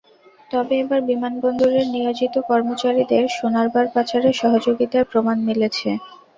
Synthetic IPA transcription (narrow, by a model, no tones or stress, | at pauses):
t̪ɔbeebaɾbimanbɔnd̪ʱoɾeɾnijod͡ʑit̪okɔɾmot͡ɕaɾid̪eɾʃonaɾbaɾpat͡ɕaɾeʃɔɦod͡ʑoɡit̪apɾomanmilet͡ɕʰḛ